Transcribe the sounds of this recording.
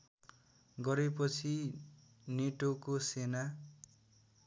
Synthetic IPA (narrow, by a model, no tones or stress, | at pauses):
ɡʌɾepʌt͡sʰi | neʈokosena